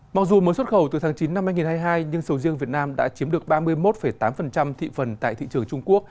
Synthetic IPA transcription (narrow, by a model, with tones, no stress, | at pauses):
ma˨˩k̚zu˨˩məː˨˦jswə˦˥t̚xə˧˩wt̪ɨ˨˩t̪ʰaː˨˦ŋt͡ɕi˨˦nːa˧mhaː˧jŋi˨˩nhaː˧jɦaː˧jɲɨ˧ŋsə˨˦wzi˧əŋvi˨˩ət̚naː˧mɗa̰ː˧˥t͡ɕi˨˦əmɗɨ˨˩ək̚ɓaː˧mɨ˧əjmo˦˥t̚fə˧˩jt̪aː˨˦mfə˨˩nt͡ɕa˧mt̪ʰḭ˧˨fə˨˩nt̪a̰ː˧˨jt̪ʰḭ˧˨t͡ɕɨ˨˩əŋt͡ɕʊ˧ŋ͡mku˦˥ək̚